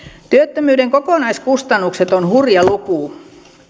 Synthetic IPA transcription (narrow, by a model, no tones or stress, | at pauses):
t̪yøt̪ːømyːdeŋkokoˑnɑiskust̪ɑnːukset̪onhurjɑlukuːˑ